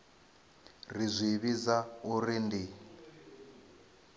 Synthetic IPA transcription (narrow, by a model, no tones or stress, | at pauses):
rizʷiβizaurindi